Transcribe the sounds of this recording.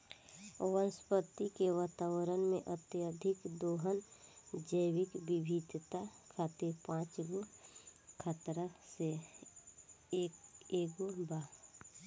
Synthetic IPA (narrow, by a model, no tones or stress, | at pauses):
o̰wənspət̪ːikeʋaːt̪awəɾənmẽʔət̪jəd̪ʱɪkd̪oːɦənd͡ʒəjwɪkbibʱid̪t̪akʰaːt̪iɾpãːt͡ʃɡo | kʰat̪ɾəse | keːɡobaː